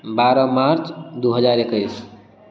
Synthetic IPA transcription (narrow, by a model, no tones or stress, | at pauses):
baɾʌmaɾt͡ʃd̪uɦəd͡ʒaɾekəɪs